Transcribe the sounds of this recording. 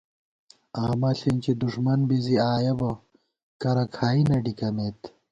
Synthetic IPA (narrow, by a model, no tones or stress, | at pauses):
aːmɐɬint͡ɕid̪uʂmɐnbiziaːjɐbɐ | kɐɾɐkʰaːinɐɖikɐmet̪